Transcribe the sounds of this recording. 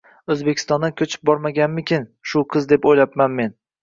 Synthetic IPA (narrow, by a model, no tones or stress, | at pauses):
ɵzbekʲʰɪ̥st̪ɒnd̪akʲʰɵt͡ʃʰɪ̥p̚bɒɾmaɡʲanmɪkʲɪnʃʊqʰɨzd̪e̞pojlapmanme̞n